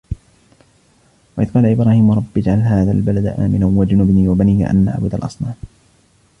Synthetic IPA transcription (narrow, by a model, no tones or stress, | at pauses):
waʔɪðqɑːlaʔɪbɾaːhiːmwɾˤɑbːɪd͡ʒʕalɦaːðaːlbalad̪aʔa̰ːmɪnanwad͡ʒʊnʊbniːwabanḭːʔa̰nʔa̰ʕbʊd̪a̰lʔɑ̰sˤnaːm